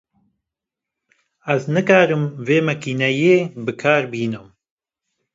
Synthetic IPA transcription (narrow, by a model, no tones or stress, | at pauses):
ɛznɨkaːɾɨmveːmɛkiːnɛjeːbɨkʰaːɾbiːnɨm